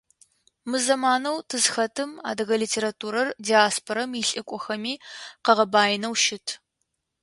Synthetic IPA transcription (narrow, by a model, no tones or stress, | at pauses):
mɨzɐmaːnɐwtʰɨzxɐtʰɨma̰ːdɨɣɐlitʰeːɾatʰuːɾɐrdiːaːspʰoɾɐmiɬʼɨkʷʼɔxɐmiːqɐʁɐbaːjnɐwʃɪtʰ